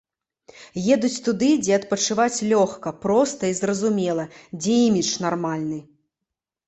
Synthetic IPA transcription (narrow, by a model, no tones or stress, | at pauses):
jɛd̪ut͡sʲt̪ud̪ɨd͡zʲɛɐt̪̚pɐt͡ʂɨvat͡sʲlʲɔxkɐpɾɔst̪ɐizrɐzumʲɛlˠɐd͡zʲɛimʲit͡ʂnarmalʲnɨ